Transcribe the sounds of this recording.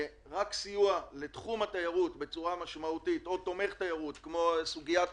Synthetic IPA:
ʁaksijuale̞t̪χumatajaʁutbe̞t͡suʁamaʃmautit̪o̞t̪o̞me̞χt̪ajaʁut̪kmo̞suɡiat

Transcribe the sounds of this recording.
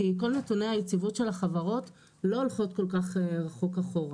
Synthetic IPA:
iko̞lnetuneajet͡sivotʃe̞laχavaʁo̞t | lo̞ːlχo̞tko̞lkaχeʁaχokaχo̞ʁa

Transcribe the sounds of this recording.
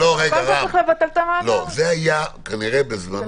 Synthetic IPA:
ohekaʁalevat̪elt̪aalozeajakaniʁebezman

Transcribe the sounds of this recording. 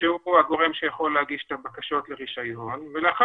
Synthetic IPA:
ʃeuuaɡo̞ʁe̞mʃejaχo̞lːehaɡiʃet̪abakaʃo̞t̪le̞ʁiʃajo̞nveleaχa

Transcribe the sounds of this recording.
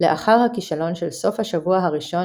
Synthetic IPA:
leʔaχaʁhakiʃalo̞nʃelso̞fhaʃavuaɦaʁiʃo̞

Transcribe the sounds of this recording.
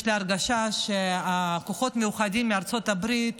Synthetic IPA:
ʃleaɾɡaʃaʃeakoχo̞t̪mejuχad̪imːiaɾt͡so̞t̪abɾit̪

